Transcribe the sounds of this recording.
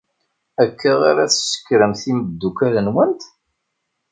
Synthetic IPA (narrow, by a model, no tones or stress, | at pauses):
ækːəʁaɾæθʃə̥kːɾəmθimbəd̪ːukælənwənt̪